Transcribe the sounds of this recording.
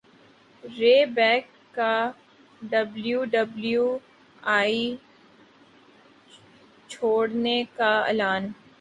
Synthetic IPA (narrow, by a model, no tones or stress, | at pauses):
ɾeːbɛːkːa | ɖəbljuːɖəblju | aːi | t͡ʃʰoːɽnekaḛlaːn